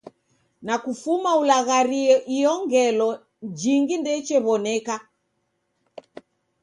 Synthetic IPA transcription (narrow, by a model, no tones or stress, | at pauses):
nakufumaulaɣaɾiɔʔiɔŋɡɛlɔ | d͡ʒiŋɡindɛt͡ʃɛβɔnɛka